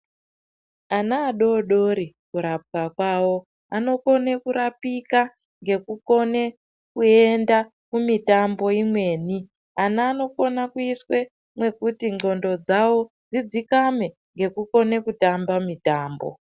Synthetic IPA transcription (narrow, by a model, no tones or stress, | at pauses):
anaːɗo̞ɗo̞ɾi | kuɾap̚kakwawo̞ | ano̞ko̞ne̞kuɾapika | ŋɡe̞kuko̞ne̞ | kue̞nda | kumitambo̞imwe̞ːni | anaːno̞ko̞nakuiswe̞ | mwe̞kutiŋ͡ǃo̞ndo̞d͡zawo̞ | d͡zid͡zikame̞ | ŋɡe̞kuko̞ne̞kutambamitaːmbo̞̰